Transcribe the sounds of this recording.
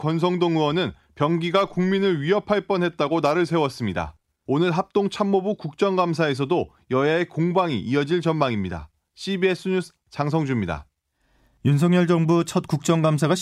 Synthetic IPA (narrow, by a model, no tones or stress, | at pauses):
kʌns̬ʰʌŋdoŋuwʌnɯn | pjʌŋɡiɡakuŋminɯɭɥiʌpʰaɭp͈ʌnɦe̞t̚t͈aɡonaɾɯɭsʰe̞wʌs͈ɯmɲida̰ | onɯɭɦap̚t͈oŋt͡ɕʰamːobukuk̚t͡ɕ͈ʌŋɡams̬ʰae̞s̬ʰʌdo | jʌjaekoŋbaŋḭʔiʌd͡ʑiɭt͡ɕʌnmaŋimɲida̰ | ɕʰibies͈ʰɯɲusʰ | t͡ɕaŋs̬ʰʌŋd͡ʑumɲida̰ | junsʰʌŋjʌɭd͡ʑʌŋbut͡ɕʰʌt̚k͈uk̚t͡ɕ͈ʌŋɡamsʰaɡa